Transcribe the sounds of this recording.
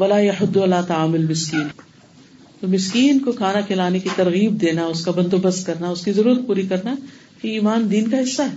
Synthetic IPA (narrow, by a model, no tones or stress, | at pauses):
ʋɐlaːjɐħʊd̪ːɐlaːt̪ɐaːmʊlmɪskiːn | t̪oːmɪskiːnkokʰaːnakʰɪlaːnekit̪ɐɾɣiːb̚d̪eːnaʊskabɐ̃nd̪oːbɐst̪̚kɐɾnaʊskizɐɾuːɾət̪̚puːɾikɐɾna | kiiːmaːnd̪iːnkaɦɪsːaɦɛː